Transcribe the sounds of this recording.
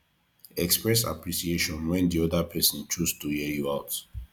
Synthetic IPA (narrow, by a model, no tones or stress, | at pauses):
ɛkspɹɛsa̰pɹisieʃɔ̃nwɛ̃ndiɔdapʰɛsɔ̃nt͡ʃustuhijuaʊt